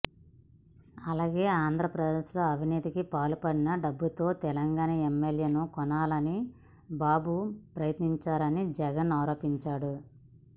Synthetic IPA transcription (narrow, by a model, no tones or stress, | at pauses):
ɐlaːɡe̞ːaːnd̪ʱɾɐpɾɐd̪eːʃlo̞ːɐʋʱiniːt̪ikipaːlupɐɽinɐɖɐbːut̪o̞ːt̪ɛlɐŋɡaːnɐemːelje̞ːnukɔnaːlɐni | baːbupɾɐjɐt̪niɲt͡ʃaːɾɐnid͡ʒɛɡɐnaːɾo̞ːpiɲt͡ʃaːɽu